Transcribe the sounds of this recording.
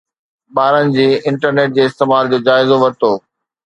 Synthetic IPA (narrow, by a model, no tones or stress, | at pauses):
ɓaːɾənɪ̆d͡ʑiːɪ̃ɳʈəɾneːʈ̚d͡ʑeːɪst̪eːmaːɾd͡ʑoːd͡ʑaːɪzoʋɐɾt̪oː